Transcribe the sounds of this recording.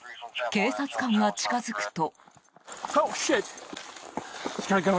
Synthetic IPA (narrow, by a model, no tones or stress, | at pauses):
ke̞ːsat͡sɨ̥kãŋɡat͡ɕi̥kazɨkɯ̟̥t̪o̞ | soʃɪt̪ | ɪsɡ̥ʌnəɡo